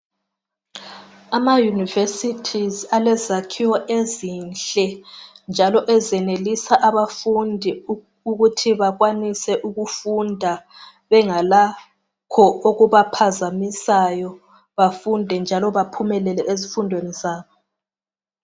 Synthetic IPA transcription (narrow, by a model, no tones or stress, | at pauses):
amajunivesitʰizalɛzakʰiwɔʔezinɬɛnd͡ʒʱalɔʔɛzɛnelisaʔaβafundʱi | uɣutʰiβaɣwanisɛʔuɣufundʱa | βɛŋala | kʰɔoɣuβapʰazamisajɔ | βafundʱɛnd͡ʒʱalɔβapʰumɛlɛlɛʔezifundʱwenizaːβɔ